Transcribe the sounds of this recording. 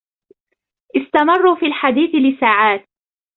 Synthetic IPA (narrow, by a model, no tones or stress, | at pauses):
ʔɪst̪amɑrˤːuːfiːlħad̪iːθɪlɪsaːʕaːt̪̚